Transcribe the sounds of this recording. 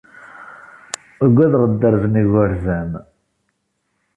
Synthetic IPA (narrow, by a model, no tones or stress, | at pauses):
əɡʷːæðʁəd̪ːəɾzəniɣəɾzæm